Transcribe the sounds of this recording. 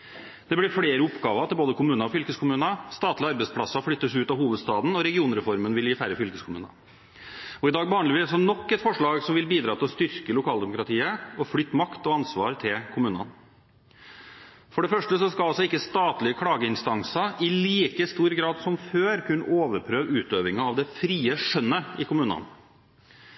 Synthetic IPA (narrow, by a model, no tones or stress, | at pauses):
d̪̥ɛblɪɾfɽeːɾəʊpɡɑːʋət̪ʰɪlboːd̪əkʊmʉːnəɔfʏlkəskʰʊmʉːnəst̪ɑːt̪lɪəɑɾbɛɪspʰlɑsɑflʏt̪ːəsʉːt̪ɑʋɦuːʋəd̪st̪ɑːd̪nɔɾɛɡɪuːnɾɛfɔɾmənʋɪljiːfæɾəfʏlkəskʰʊmʉ̰ːnə̰ | ɔɪd̪ɑːɡ̚bəɑnlɪʋɪlɑs̬ɔnɔkːɛt̪fɔʂɭɑːɡsɔmʋɪlbiːd̪ɾɑːt̪ʰɪlɔst̪ʏɾkəlʊkʰɑːld̪ɛmʊkɾɑt̪ʰiːəɔflʏt̪ːmɑkt̪ɔɑnsʋɑːɾt̪ʰɪlkʰʊmʉːnɑ̰n | fɔɖɛfœʂʈəsɔskɑlɑlsɔɪkːəst̪ɑːt̪lɪəkʰɽɑːɡəɪnst̪ɑŋsɑɪliːkəst̪uːɾɡɾɑːd̪sɔmføːɾkʰʉnːə̰ʔoːʋəɾpʰɾøːʋʉːt̪øːʋɪŋɑɑʋd̪ɛfɾiːəʂœnːəɪkʰʊmʉːnɑ̰n